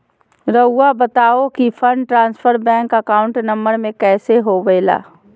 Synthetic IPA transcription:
ɾɐʊabɐt̪aːokifʰə̃ɳɖʈɾãːnsfəɾbɛ̃ːŋkəkaːʊ̃ɳʈnɐ̃mbəɾmẽkɛːseɦoʋeːla̰ː

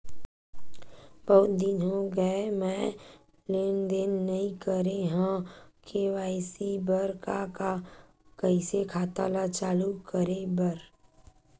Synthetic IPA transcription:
bəɦʊt̪d̪ɪnõɡəemɛ̃ | lend̪enːəɦĩkəɾeɦãkʰeʋaːɪsibəɾkaka | kəisekʰaːt̪a̰lat͡ʃaːlukəɾebəɾ

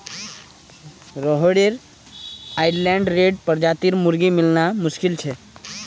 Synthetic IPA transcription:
ɾɔɦɽeɾ | aːɪɖlɛ̃ːɳɖɾeːɖpəɾd͡ʒaːt̪iɾmʊɾɡimɪlnamʊʃkɪlt͡ʃʰɛ

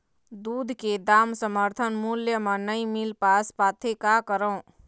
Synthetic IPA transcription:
d̪uːd̪ʱked̪aːmsəməɾt̪ʰənmuljəmɐ̃nəimɪlpaːspaːt̪ʰekakəɾõː

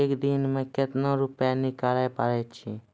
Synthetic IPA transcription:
eːkd̪inmẽkɪt̪nõɾʊpanɪkaːlajpaɾet͡ʃʰi

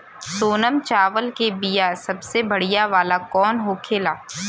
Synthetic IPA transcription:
soːnəmt͡ʃaːʋəlkebijasɐbsebɐɽijaʋaːlakɔːnɦoːkʰeːlaː

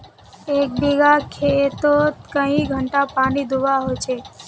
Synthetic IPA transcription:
ek̚biɡakʰet̪ot̪kəɦĩɡʱəɳʈapaɽ̃id̪ʱuʋaɦojt͡ʃʰe

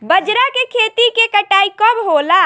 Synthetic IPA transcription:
bəd͡ʒɾakekʰet̪ikekəʈaikəbɦola

